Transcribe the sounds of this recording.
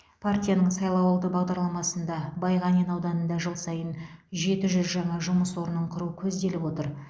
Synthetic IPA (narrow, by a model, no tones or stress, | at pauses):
pʰart̪ʲijanəɴsɑjlˠɑwɑlˠd̪əbɑʁd̪ɑɾlˠɑmɑsənd̪ɑbɑjʁɑnenɑwd̪ɑnənd̪ɑʒəlˠsɑjənʒe̞t̪ɪʒʏzʒɑɴɑʒʊməswo̞ɾənːəɴqʰʊɾuəkʲʰɵzd̪e̞lɪpwo̞t̪əɾ